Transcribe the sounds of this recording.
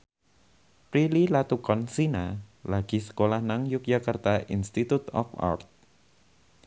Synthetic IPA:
pɾililat̪ukɔnsinalaɡ̥i̤sə̥kolahnaŋjʊk̚d͡ʒakart̪aʔinst̪it̪ut̪ɔ̰fa̰rt̪̚

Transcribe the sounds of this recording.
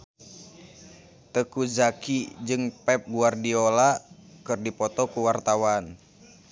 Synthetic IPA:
t̪əkuzakid͡ʒɨŋpɛp̚ɡuardiolakɨrdipɔt̪ɔkuwart̪awan

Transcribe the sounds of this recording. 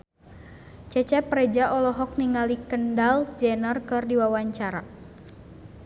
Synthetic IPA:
t͡ʃɛt͡ʃɛpɾɛd͡ʒaʔɔlɔɦɔk̚niŋalikəndald͡ʒɛnərkɨrdiwawaɲt͡ʃaɾa

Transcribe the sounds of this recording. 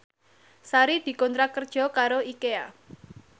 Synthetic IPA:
saɾid̪̥i̤kɔnt̪ɾakərd̥ʒ̥ɔ̤kaɾoikea

